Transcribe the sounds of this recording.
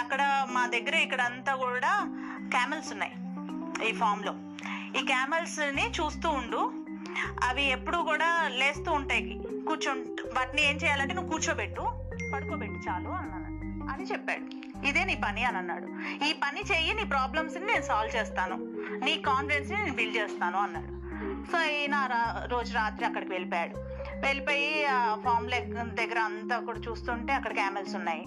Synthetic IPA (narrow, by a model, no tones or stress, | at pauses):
ɐkːɐɽɐmaːd̪ɐɡːɐɾɐikːɐɽɐnt̪aːkuːɽaː | kaːmelsunːaːj | iːpʰaːɾmlo̰ː | iːkaːmelsnit͡ʃuːst̪uːɳɖu | ɐʋiepːuɽukuːɽaːle̞ːst̪uːɳʈaːjkikuːt͡ʃoɳʋaːʈnie̞ːɲt͡ʃɛːjaːlɐɳʈenuːkuːt͡ʃoːbeʈːu | pɐɽukoːbeʈːut͡ʃaːluːɐnːɐnɐɐiɐnit͡ʃepːa̰ːɽu | id̪e̞ːniːpɐniɐnɐnːa̰ːɽu | iːpɐnit͡ʃeːjiniːpɾaːblɐmsnine̞ːnusaːlʋt͡ʃeːst̪aːnṵ | niːkaːnfɾensnineːnubilt͡ʃeːst̪aːnuɐnːa̰ːɽu | so̞ːiːnaːɾaɾo̞ːd͡ʒuɾaːt̪ɾiɐkːɐɽɐkiʋeɭipoːjaːɽu | ʋeɭipɐjipʰaːɾmleːk̪d̪ɛɡːɐɾɐɐnt̪aːkuːɽat͡ʃuːst̪uːɳʈe̞ːɐkːɐɽɐkaːmelsunːaːji